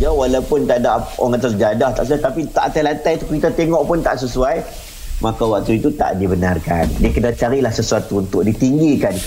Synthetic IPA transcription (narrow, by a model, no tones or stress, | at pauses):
d͡ʒawalawpʊnt̪adaʔoŋat̪ərd͡ʒadaht̪aʔsajt̪apit̪a̰ʔt̪ajlant̪ajt̪ukɾit̪at̪eŋɔʔpʊnt̪aʔsəsuaj | makawak̚t̪uit̪ut̪a̰ʔdibənarka̰ndiəkənat͡ʃaɾilahsəsuat̪uːnt̪ʊʔ̚dit̪iŋɡikan